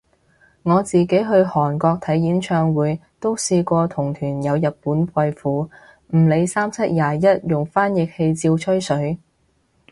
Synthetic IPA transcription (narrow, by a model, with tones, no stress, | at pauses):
ŋɔː˨˧t͡siː˨ke˨˥jɦɵ˧ɥhɔː˨˩nkɔː˧k̚t̪ʰɐ˨˥jjiː˨˥nt͡ʃʰœː˧ŋwuː˨˧jt̪o˥wsiː˧kʷɔː˧t̪ʰʊ˨˩ŋt̪ʰyː˨˩njɐ˨˧wjɐ˨t̚puː˨˥npʰɐ˧jfuː˨˥ | m̩˨˩le˨˧jsaː˥mt͡sʰɐ˥t̚jaː˨˩jɐ˥t̚jʊ˨ŋfaː˥njɪ˨k̚he˧jt͡siː˧wt͡ʃʰɵ˥ɥsɵ˨˥ɥ